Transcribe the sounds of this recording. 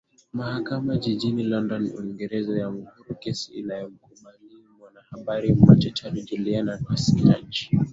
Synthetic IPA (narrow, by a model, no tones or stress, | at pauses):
mahakamad͡ʒiʄinilɔndɔnṵiŋɡɛɾɛzajam̩huɾukɛsiḭnajɔm̩kuɓaliamwanahaɓaɾimmat͡ʃat͡ʃaɾid͡ʒɛliananɛsi̥ka̰ɲt͡ʃi̥